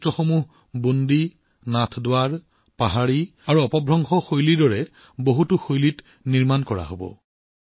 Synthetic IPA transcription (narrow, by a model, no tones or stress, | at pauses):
tɹɔxomuɦ | bondi | natʰdʊwaɹ | paɦaɹi | aɹuɔpɔbʱɹɔŋxɔxojlidɔɹɛ | boɦutuxojlit | niɹmankɔɹa̰ɦobɔ̰